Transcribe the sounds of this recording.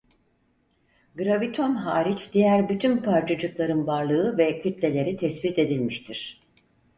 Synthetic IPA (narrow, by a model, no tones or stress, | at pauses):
ɡɾavit̪ʰo̞nɦaːɾit͡ʃd̪ijæɾbyt̪ʰynpʰaɾt͡ʃʰad͡ʒɯklˠaɾɯnbaɾlˠɯɯvɛcʰyt̪lʲe̞lʲe̞ɾit̪ʰɛsbit̪e̞d̪ilʲmiʃt̪ʰiɾ̥